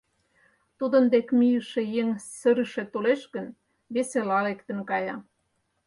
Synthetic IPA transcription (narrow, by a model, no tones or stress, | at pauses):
t̪ud̪ə̆nd̪ekmijə̆ʃejeŋsə̆ɾə̆ʃet̪oleʃɣən | βeselɑlekt̪ə̆nkɑjɑ